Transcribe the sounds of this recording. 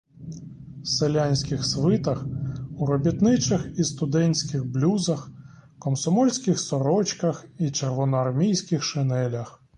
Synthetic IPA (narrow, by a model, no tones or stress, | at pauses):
selʲanʲsʲkɪxsʋɪt̪ɐxuɾɔbʲit̪nɪt͡ʃɐxist̪ʊd̪ɛnʲsʲkɪɣblʲuzɐx | kɔmsɔmɔlʲsʲkɪxsɔɾɔt͡ʃkɐxit͡ʃerʋɔnɔɐrmʲijsʲkɪxʃɪnɛlʲɐx